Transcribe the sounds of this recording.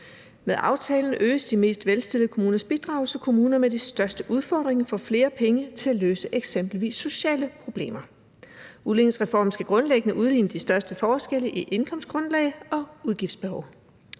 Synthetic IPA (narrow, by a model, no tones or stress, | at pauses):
meðˠʔɑ̈ʊt͡sʰɛ̰ːln̩ø̰ːsd̥ime̝̰ːsd̥ʋelsd̥e̝lð̩ˠəkʰo̝muːnɐsb̥id̥ʁɑ̈ʊl̩səkʰo̝muːnɐmed̥esd̥ɶɐsd̥əʔuð̞ˠfɒ̰ːd̥ʁeŋfɒ̽fle̝ːɐpʰeŋət͡sʰe̝æløːsəʔeɡ̥sem̰b̥l̩ʋḭːsːo̝ɕɛ̰ːləpʰʁo̝b̥le̝̰ːmɐ | uðˠlenŋsʁɛfɒ̰ːmsɡ̥æɡ̥ʁɔ̽nleɡ̥ənəʔuð̞ˠḭːnəd̥isd̥ɶɐsd̥əfɒːsɡ̥el̰əʔiʔe̝nkʰɒ̽m̰sɡ̥ʁɔ̽nlɛ̰ɪɒ̽uð̞ˠɡifd̥sb̥e̝hɒʊ